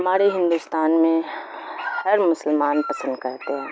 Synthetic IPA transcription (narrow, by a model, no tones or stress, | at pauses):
ɦɦɐmaːɾeɦɪ̃nd̪ust̪aːnmẽ | hɐɾmʊsəlmaːnpɐsə̃nd̪kɐɾt̪eɦɛ̃ː